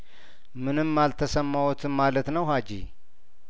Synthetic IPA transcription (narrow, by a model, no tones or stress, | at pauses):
mɨnɨmːalt̪ʰəsəmːawut̪ʰɨmalət̪nəwɦad͡ʒḭ